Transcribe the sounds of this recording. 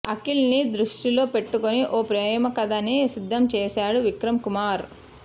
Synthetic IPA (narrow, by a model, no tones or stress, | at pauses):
ɐkilnid̪ɾuʂʈilo̞ːpe̞ʈːukoniʔoːpɾɛːjɐmɐkɐd̪ɐnisid̪ʱːɐmt͡ʃɛːsaːɽuʋikɾɐmkumaːɾ